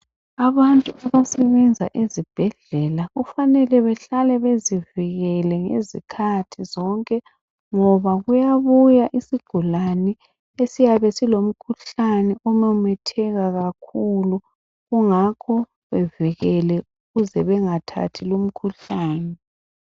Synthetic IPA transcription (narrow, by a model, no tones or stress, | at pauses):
aβantʼuaβasɛβɛnd͡zʱa̰ʔizib̥ʱɛɮɛlaɣufanɛlɛβɛɬalɛβeziviɣɛlɛŋḛzikʰatʰizɔŋkʼɛ | ŋɔβaɣujaβujaʔisiɡ̥ʱulanɛ | esijaβɛsilom̩kʰuɬanɛʔɔmamɛtʰɛɣaɣakʰulu | ɣuŋakʰɔ | βɛviɣɛlɛuɣuzɛβɛŋatʰa̰tʰilom̩kʰuɬaːnɛ